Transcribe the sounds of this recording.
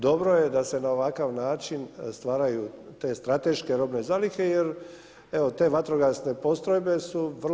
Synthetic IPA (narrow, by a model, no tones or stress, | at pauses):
d̪o̞bɾo̞je̞d̪ase̞nao̞ʋakaʋnaːt͡ʃinst̪ʋaːɾajuːt̪e̞ːst̪ɾat̪e̞ʃke̞ɾo̞bne̞zalike̞jeɾ | eʋot̪e̞ːʋat̪ɾoɡasne̞po̞st̪ɾo̞jbe̞suʋr